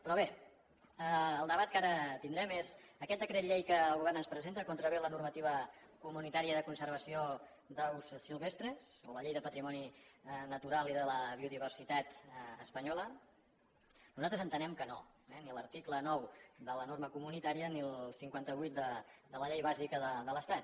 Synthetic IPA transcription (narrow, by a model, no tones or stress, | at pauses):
pɾɔβe | əəlˠd̪əβat̪̚kaɾət̪ind̪ɾɛmezəkɛt̪̚d̪əkɾɛt̪ʎejkəːlˠɣuβɛɾrnənspɾəzent̪əkont̪ɾəβelənurmət̪iβ̞əkumunit̪aɾiəðəkunsəɾβ̞əsio | d̪əlˠssilˠβest̪ɾəzo̰ləʎejðəpət̪ɾimɔninət̪uɾalˠiðələβiuðiβ̞ərsit̪at̪əspəɲɔlə | nuzalˠt̪ɾəzənt̪ənɛmkəno | ɛnilərt̪iklənɔwd̪ələnoɾməkumunit̪aɾiənilˠsiŋkwant̪əβujt̪̚d̪əd̪ələʎejβ̞azikəðəðələst̪at̪̚